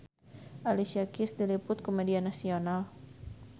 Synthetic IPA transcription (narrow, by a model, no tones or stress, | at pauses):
ʔalisiakisdilipʊt̪̚komedianasional